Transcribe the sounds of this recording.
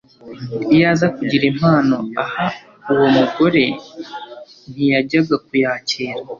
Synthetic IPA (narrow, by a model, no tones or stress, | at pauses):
ijaːzakuɟiɾem̥haːno̞aha | uwo̞muɡo̞ɾe̞ | n̥ijaɟaɡak̚ujaːceːɾa